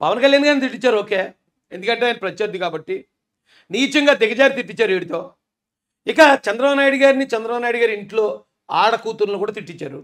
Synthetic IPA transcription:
pɐʋɐnkɐljaːnɡaːɾnit̪iʈ̬ːit͡ʃːaːɾuo̞ːke̞ː | end̪ukɐɳʈeːjinɐpɾɐt͡ʃjɐɾd̪ikaːbɐʈːi | niːt͡ʃɐŋɡaːd̪ɪɡɐd͡ʒaːɾit̪iʈːit͡ʃːaːɾeːɽit̪o̞ː | ikɐt͡ʃɐnd̪ɾɐaːnaːjɽuɡaːɾinit͡ʃɐnd̪ɾɐaːʋnaːjɽuɡaːɾiɳʈlo̞ː | aːɽɐkuːt̪unɐlokuːɽaːt̪iʈːit͡ʃːaːɾu

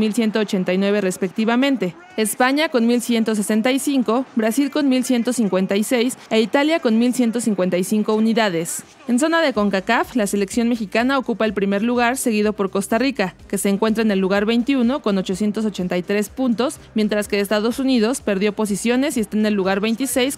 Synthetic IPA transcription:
milsje̞nt̪oːt͡ʃe̞nt̪ajnwe̞β̞e̞re̞spe̞k̚t̪iβamẽ̞nt̪e̞ | espaɲako̞nmilsje̞nt̪o̞s̬e̞se̞nt̪ajsiŋko̞bɾasilko̞nmilsje̞nt̪o̞siŋkwe̞nt̪ajse̞jseit̪aljako̞nmilsje̞nt̪o̞siŋkwe̞nt̪ajsiŋko̞uniðað̞e̞s | e̞ns̬o̞naðe̞ko̞ŋkakaflase̞le̞ksjo̞nme̞xikanao̞kupaelpɾime̞ɾluɣ̞aɾse̞ɣ̞iðo̞po̞ɾko̞st̪arikake̞se̞ːŋkwe̞nt̪ɾaene̞lːuɣ̞aɾβe̞jnt̪iuno̞ko̞no̞t͡ʃo̞sje̞nt̪o̞s̬ot͡ʃe̞nt̪ajt̪ɾe̞spunt̪o̞s | mje̞nt̪ɾaske̞ːst̪aðo̞suniðo̞spe̞ɾðjo̞po̞s̬isjo̞ne̞sie̞st̪aene̞lːuɣ̞aɾβe̞jnt̪ise̞js

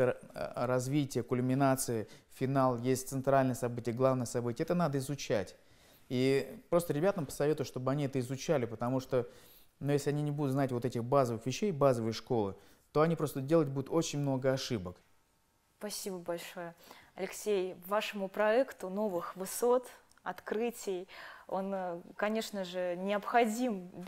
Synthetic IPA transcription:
əɾɐzvʲitʲɪjəkʊlʲmʲɪnat̪sɨjəfʲɪnalˠjesʲtʲt̪sɨnt̪ɾalʲnəjəsɐbɨtʲɪjəɡlˠavnəjəsɐbɨtʲɪjəɛt̪ənad̪əɪzʊt͡ɕætʲ | ipɾost̪əɾʲɪbʲat̪əmpə̥sɐvʲet̪ʊjʂt̪obəɐnʲiɛt̪əɪzʊt͡ɕælʲɪpət̪ɐmuʂt̪o̞ | nujesʲlʲɪɐnʲinʲɪbud̪ʊt̪znatʲvot̪ɛtʲɪxbazəvɨxvʲɪɕːejbazəvəjəʂko̞lˠɨ | t̪o̞ɐnʲipɾo̞st̪ədʲelˠət̚ʲbud̪ʊt̪o̞t͡ɕɪnʲmno̞ɡəɐʂɨbək | spɐsʲibəbɐlʲʂo̞jəɐlʲɪksʲejvaʂəmʊpɾɐɛkt̪ʊno̞vɨxvɨso̞t̪ | ɐt̪kɾɨtʲɪjo̞̰nkɐnʲe̞ʂnəʐɨnʲɪəpxɐdʲim

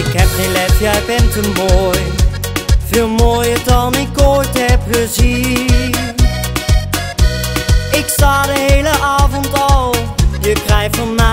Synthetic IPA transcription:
ɪkɦɛpχejnlɛfjɛjbɛntəmoːj | v̥ɪːlˠmoːjəɹdɑnɪkojtɦɛpχəzi | n | ɪksaːdəɦejləʔaːvɔntɑlˠjəkrɛjtɔnma

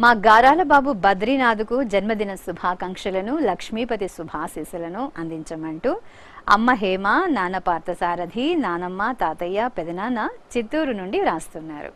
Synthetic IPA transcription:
maːɡaːɾaːlɐbaːbubɐd̪ɾinaːd̪ukud͡ʒɐnmɐd̪inɐsubʱaːkɐŋkʂɐlɐnulɐkʂmiːpɐt̪isubʱaːsiːsɐlɐnuʔɐnd̪iɲt͡ʃɐmɐɳʈu | ɐ̰mːɐɦɛːmaːnaːnɐpaːɾt̪ɐsaːɾɐd̪ʱinaːnɐmːaːt̪aːt̪ɐjːaːpɛd̪ɐnaːnɐt͡ʃit̪ːuːɾunuɳɖiɾaːst̪unːaːɾṵ

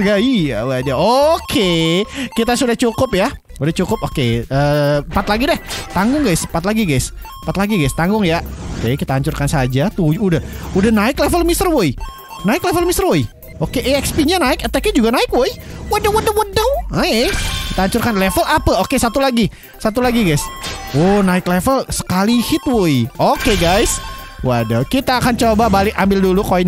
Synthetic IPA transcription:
ɡaia̰waad͡ʒaokʰekit̪asudaht͡ʃukʊp̚ja | udaht͡ʃukʊp̚okḛəːmpat̪̚laɡidɛht̪aŋɡʊŋɡajsmpat̪̚laɡiɡajs | pat̪laɡiɡajst̪aŋɡʊŋjaokekit̪aːɲt͡ʃʊrkansad͡ʒat̪uudahudahnaɪklefəlmist̪ərwoj | naɪklefəlmist̪ərwoj | okeʔeɛkspiɲanaɪkət̪akɪd͡ʒuɡanaɪkwojwadəwədəwədəwaeki̥t̪aːɲt͡ʃʊrkanlefəlapaokesat̪ulaɡi | sat̪ulaɡiɡajsonaɪklefəlsə̥kalihɪt̪̚woiokeɡajswada̰wkit̪aːkant͡ʃobabalɪkambɪldulukoin

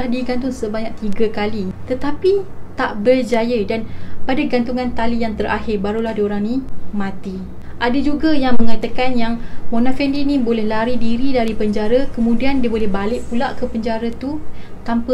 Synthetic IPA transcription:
adiɡant̪ʊŋsəbaɲak̚t̪iɡakalit̪ət̪apit̪aʔbərd͡ʒajədanpadaɡant̪uŋãnt̪alijaŋt̪əɾʔahɪrbaɾulahdioɾaŋnimãt̪i | ʔadad͡ʒuɡajaŋməŋat̪akanjaŋmonafɛndinibolɛhlaɾidiɾidaɾipəɲd͡ʒaɾakəmũdiandiəbolɛhbalɪʔpulaʔkəpəɲd͡ʒaɾat̪ut̪ampə

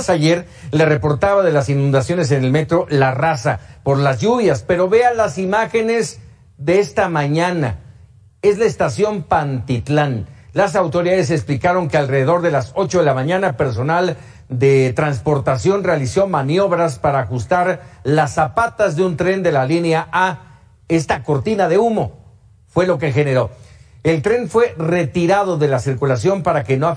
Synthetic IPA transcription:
saʝeɾ | le̞re̞po̞ɾt̪aβaðe̞lasinũnd̪asjo̞ne̞s̬e̞ne̞lme̞t̪ɾo̞larasapo̞ɾlazʝuβjaspe̞ɾo̞βe̞alasimaxe̞ne̞z | ðeest̪amãɲana̰ | e̞zlaest̪asjo̞mpant̪it̪lanlas̬awt̪o̞ɾiðaðe̞s̬eksplikaɾo̞ŋke̞alreðe̞ðo̞ɾðe̞laso̞t͡ʃo̞ðe̞lamãɲãnape̞ɾs̬o̞nal | d̪e̞t̪ɾanspo̞ɾt̪asjo̞nre̞aliso̞manjo̞βɾaspaɾaːxust̪aɾlasapat̪azðeunt̪ɾe̞nd̪e̞lalineaʔa | e̞st̪ako̞ɾt̪inaðe̞umo̞ | fwe̞lo̞k̬e̞xe̞ne̞ɾo̞ | e̞lt̪ɾe̞nfwe̞re̞t̪iɾað̞o̞ðe̞lasiɾkulasjo̞mpaɾake̞noa

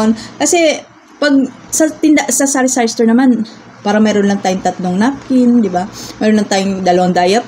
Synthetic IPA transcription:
nkɐsɛ | pɐɡ̚ | sɐt̪ɪnd̪ɐʔsɐsaɾɪsajst̪ɛɹnɐman | paːɾɐmɛːɾonlɐŋt̪aːjʊŋt̪ɐt̪noŋnap̚kɪnd̪ɪbamɛːɾonlɐŋt̪aːjʊŋd̪ɐlɐwaŋd̪aːjɐp

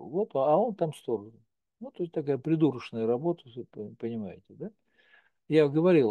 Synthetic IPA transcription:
vo̞t̪ɐo̞nt̪amst̪o̞ɾə | nut̪oɪsʲt̪ɐkajəpɾʲɪd̪uɾəʂnəjəɾɐbo̞t̪əsɨppənʲɪmajɪtʲɪd̪a | jaɡəvɐɾʲilˠ

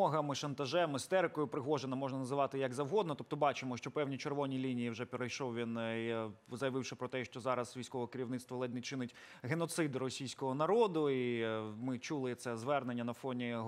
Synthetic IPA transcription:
ɔɦɐmɪʃɐnt̪ɐʒɛmɪst̪ɛɾɪkɔjʊpɾɪɦɔʒenɐmɔʒnɐnɐzɪʋɑt̪ɪjɐɡzɐwɦɔd̪nɔt̪ɔp̚t̪ɔbɑt͡ʃɪmɔʃt͡ʃɔpɛwnʲit͡ʃerʋɔnʲilʲinʲijiwʒɛpʲeɾɐjʃɔwʋʲin | zɐjɐʋɪwʃɪpɾɔt̪ɛʃt͡ʃɔzɑɾɐzʋʲijsʲkɔʋɔkɪɾʲiwnɪt̪st̪ʋɔlˠɛdʲnɪt͡ʃɪnɪtʲ | ɦenɔt̪sɪd̪rɔsʲijsʲkɔɦɔnɐɾɔd̪ʊimɪt͡ʃulˠɪt̪sɛzʋɛrnenʲːɐnɐfɔnʲi

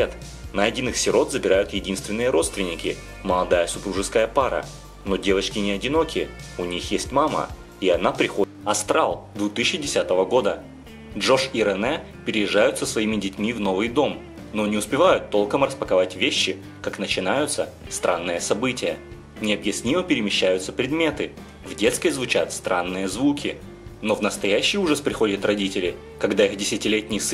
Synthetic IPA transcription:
et̪ | nɐɐdʲinɨxsʲɪɾo̞t̪zəbʲɪɾajʊt̪jɪdʲinst̪vʲɪnːɨjəɾo̞t̪st̪vʲɪnʲːɪkʲɪ | məlˠɐd̪ajəsʊpɾuʐɨskəjəpaɾə̰ | no̞dʲe̞vət͡ɕkʲɪnʲɪɐdʲɪno̞kʲɪəʊnʲixjesʲtʲmamə̰ | iɐnapɾʲɪxo | ɐst̪ɾalˠd̪vʊt̪ɨːɪdʲɪsʲat̪əvəɡo̞d̪ə | dʐo̞ʂiɾɛnɛ | pʲɪɾʲɪjɪʐːajʊt̪səsvɐimʲɪdʲɪtʲmʲivno̞vɨjd̪o̞m | no̞nʲɪʊspʲɪvajʊt̪ːo̞lˠkəmrəspəkɐvatʲvʲeɕːɪ | kaknət͡ɕɪnajʊt̪səst̪ɾʔa̰nːɨjəsɐbɨtʲɪjə̰ | nʲɪɐbjɪsʲnʲiməpʲɪɾʲɪmʲɪɕːæjʊt̪səpɾʲɪd̪mʲe̞t̪ɨ | vdʲe̞t̪sk̪vʲɪzvʊt͡ɕat̪st̪ɾʔanːɨjəzvukʲɪ | no̞vnəst̪ɐjæɕːɪjuʐəspɾʲɪxo̞dʲɪt̪rɐdʲitʲɪlʲɪ | kɐɡd̪aixdʲɪsʲɪtʲɪlʲetʲnʲɪjs

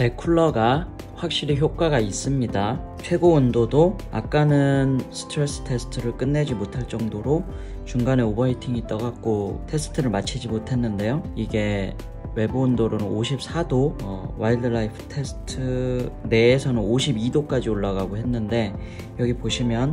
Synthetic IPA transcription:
pe̞kʰuɭːʌɡa | ɸwak̚ɕ͈iɾiçjok͈aɡais͈ɯmɲida | t͡ɕʰwe̞ɡoundodo | a̰k̚k͈anɯnsʰɯ̥tʰɾes͈ɯ̥tʰe̞sʰɯ̥tʰɯɾɯɭk͈ɯnːe̞d͡ʑimotʰaɭt͡ɕ͈ʌŋdoɾo | t͡ɕuŋɡane̞obʌitʰiŋit͈ʌɡak̚k͈otʰe̞sʰɯ̥tʰɯɾɯɭmat͡ɕʰid͡ʑimotʰe̞nːɯnde̞joiɡe̞ | we̞bɯːndoɾonɯnoɕʰip̚s͈ʰadoʌwaildɯɭajipʰɯ̥tʰe̞sʰɯ̥tʰɯne̞ːsʰʌnɯnoɕʰibidok͈ad͡ʑioɭːaɡaɡoɦe̞nːɯnde̞ | jʌɡipoɕʰimjʌn

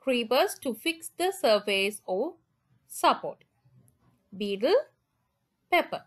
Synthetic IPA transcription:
kʰɹiːbəstufiksd̪əsəvesɔ | sapɔ̰t | biːtəl | pepə

